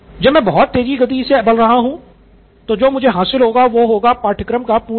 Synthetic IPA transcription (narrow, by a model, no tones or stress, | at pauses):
d͡ʒɐbmɛ̃ːbɐɦɔt̪ːeːd͡ʒiɡɐd̪isebɐlɾɐɦaɦũ | t̪od͡ʒoːmʊd͡ʒʱeɦaːsɪlɦoːɡaʋoɦoːɡapaːʈʰɪkɾəmkapuː